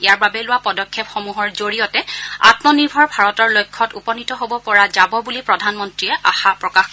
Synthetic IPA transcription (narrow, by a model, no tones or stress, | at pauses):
ejaɹbabɛlʊwapɔdɔkʰːɛpxomuɦɔɹzoɹijɔtɛa̰tmɔniɹbʱɔɹbʱaɹɔtɔɹlojkʰːɔtupɔnitɔɦobɔpɔɹazabɔbulipɹɔdʱanmɔntɹiɛʔaxapɹɔkax